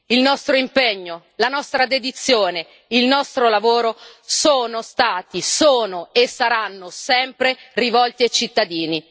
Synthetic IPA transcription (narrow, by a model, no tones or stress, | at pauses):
ilnɔst̪ɾoimpeɲːo | lanɔst̪ɾad̪ed̪it̪sːjoːne | ilnɔst̪ɾolavoːɾosoːnost̪aːt̪isoːnoesːaɾanːosɛmpɾerivɔlt̪iat͡ʃit̪ːad̪iːni